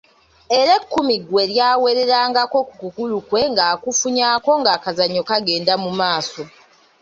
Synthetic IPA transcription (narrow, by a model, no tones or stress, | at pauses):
e̞ɾe̞kːumiɡwe̞ɾjaːwe̞ɾe̞ɾaːŋɡako̞ku̥kukulukwe̞ŋɡaːkufuɲaːko̞ŋɡaːkazaɲo̞kaɡe̞ːndamumaːso̞